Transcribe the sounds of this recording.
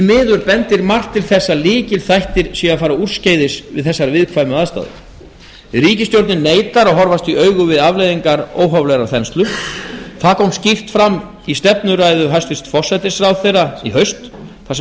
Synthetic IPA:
mɪːðʏɾpɛnt̪ɪɾmar̥t̪ʰːɪlθɛsːaliːcɪlθajht̪ɪɾ̥sɛaðfaːɾaur̥scejðɪsvɪ̰ðθɛsːaɾvɪðkʰvaːjmʏaðst̪a̰ːðʏ̰ | ɾiːcɪst̪jowɾt̪nɪnːeːjt̪aɾɔɦɔɾvast̪iœɥɣʏvɪðavlejðiŋkaɾoːwɦɔvlɛɾaɾ̥θɛnst̪lʏθaðkʰɔwmscift̪fɾamː | ist̪ɛpnʏɾaːjðʏɦasɪst̪fɔr̥sajt̪ɪsɾawθejraiɦœɥst̪ | θas

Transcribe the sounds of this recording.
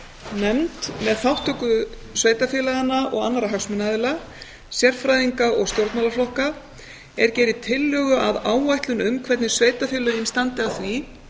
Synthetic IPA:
nɛmt̪mɛðθawht̪œkʏ | sveːjt̪afjɪːlaɣanːaʔɔ̰ɣanːaɾaɦaksmʏnaðɪla | sjɛr̥fɾajðiŋkaʔɔɣst̪jowɾt̪malaflɔhka | ɛɾ̥cɛːjɾɪt̪ʰɪlːjœːɣʏʔaðaːwajht̪lʏnʏmkʰvɛt̪nɪ̥sveːjt̪afɛːlʏɾɪnst̪ant̪ɪawθvi

